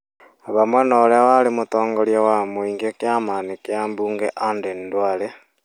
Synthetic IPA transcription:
aβamwenolewalimutoːŋɡoljawamwiːŋɡekjamaːnikjambuːŋɡḛʔandendwale

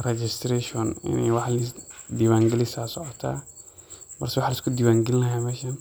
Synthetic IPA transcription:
ɾɛd͡ʒist̪ɾeʃɔnɪ̰niwaħlisdiwaŋɡilisasɔʕɔt̪ʰa̰ | bɐ̰ɾsiwaħliskudiwaŋɡilnajamɛʃɐn

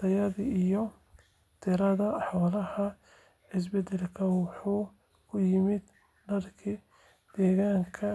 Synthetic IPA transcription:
ɐjɐðiijɔ | t̪ʰɪɾɐðɐħɔːlɐhɐ | ɪs̬bɛd̪ɛlkʰɐwɑħuː | kʰʊjɪmɪd̪ | ɖɐrkʰi | d̪̥ɛːɣaːŋkʰɐ

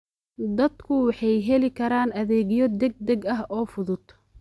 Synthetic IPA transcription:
d̪ɐd̪kʰʊwɑħɑjɦɛlɪkʰɐɾaːnɐðɛːɣɪjɔd̪ɛɡ̚d̪ɛɡɐɦɔːfʊðʊd̪

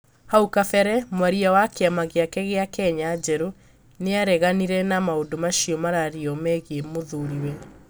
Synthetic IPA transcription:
haukafɛɾɛmwaɾiawakeamaɣeakɛɣeakɛɲad͡ʒɛɾo | neaɾɛɣaniɾɛnamaodomaʃiɔmaɾaɾiɔmɛɣemoðuɾiwɛ

